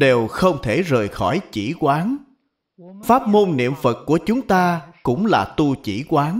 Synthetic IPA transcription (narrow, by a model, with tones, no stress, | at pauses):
ɗe˨˩wxə˧wŋ͡mt̪ʰe˧˩zəː˨˩jxɔ˧˩jt͡ɕi˧˩kwaː˨˦n | faː˦˥p̚mo˧nːḭ˧˨əmfə˨˩t̚ku˧˩ət͡ɕʊ˨˦ŋ͡mt̪aː˧kʊ̰˧˥ŋ͡mlaː˨˩t̪u˧t͡ɕḭ˧˩kwaː˨˦n